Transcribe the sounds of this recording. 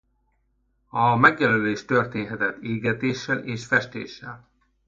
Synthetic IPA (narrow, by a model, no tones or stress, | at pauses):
ɒmɛɡjɛløleːʃt̪ørt̪eːnɦɛt̪ɛt̪ːeːɡɛt̪eːʃːɛlʔeːʃfɛʃt̪ḛːʃːɛl